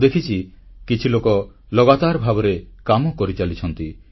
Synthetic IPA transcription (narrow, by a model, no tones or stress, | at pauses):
d̪ekʰit͡ʃʰikit͡ʃʰilokɔ | lɔɡat̪aɾbʱabɔɾekamɔkɔɾit͡ʃalit͡ʃʰɔnt̪i